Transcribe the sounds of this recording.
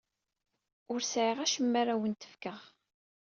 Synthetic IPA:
ʊɾsʕiʁæʃəmːaɾawənt̪ə̥fkəʁ

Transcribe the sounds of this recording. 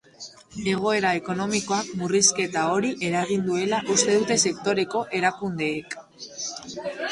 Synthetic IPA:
e̞ɣ̞o̞e̞ɾaeko̞no̞miko̞akmuriske̞t̪ao̞ɾiʔe̞ɾaɣ̞ind̪ue̞laʔust̪e̞ðut̪e̞se̞kt̪o̞ɾe̞ko̞ʔe̞ɾakund̪e̞ːk

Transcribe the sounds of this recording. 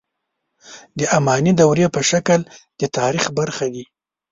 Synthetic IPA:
d̪əʔamɑnid̪awɾepəʃakəld̪̥ət̪ɑɾixbaɾxad̪i

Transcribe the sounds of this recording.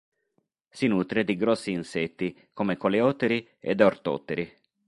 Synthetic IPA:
sinuːt̪ɾed̪iɡɾɔsːiːnsɛt̪ːi | komekoleɔt̪eɾi | ḛd̪ort̪ɔ̰t̪ːeɾi

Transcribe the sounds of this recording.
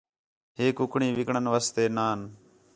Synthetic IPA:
ɦeːkʊkʰɳĩːʋɪkɳənʋaːst̪eːnaːn

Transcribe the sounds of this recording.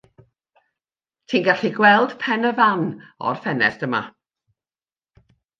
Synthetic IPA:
tʰiːnɡaɬiɡwɛlˠd̥pʰɛnəvanɔ̰rfɛnɛ̰sd̥əma̰

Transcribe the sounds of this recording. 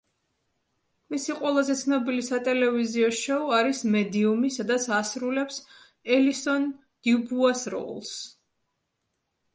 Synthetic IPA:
misiqʼwɛlˠazɛt̪sʰnɔbilisat̪ʼɛlɛviziɔʃɔɔaɾismɛd̪iumisad̪at̪sʰasɾulɛps | ɛlisɔn | d̪̥iubuasɾɔ̰lˠs

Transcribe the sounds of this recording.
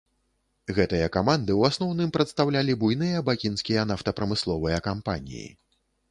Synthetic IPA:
ɣɛt̪ɨjɐkamand̪ɨwasnɔwnɨmpɾɐt̪st̪awlʲalʲibujnɨjɐbakʲinskʲijɐnaft̪ɐpɾɐmɨslˠɔvɨjɐkampanʲḭjḭ

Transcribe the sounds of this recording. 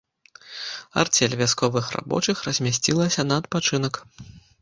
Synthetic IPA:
a̰rt͡sʲɛlʲvʲaskɔvɨxra̰bɔ̰t͡ʂɨxrɐzʲmʲasʲt͡sʲilˠɐsʲɐnɐːt̪̚pat͡ʂɨnɐk

